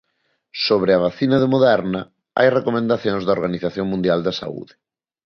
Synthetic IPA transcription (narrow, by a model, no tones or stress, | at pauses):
soβɾɪɐβ̞aθinɐðɪmoðɛɾnɐ | a̰jrekomẽnd̪aθjõŋzðɐoɾɣaniθaθjoŋmũnd̪jald̪ɐsa̰ṵðɪ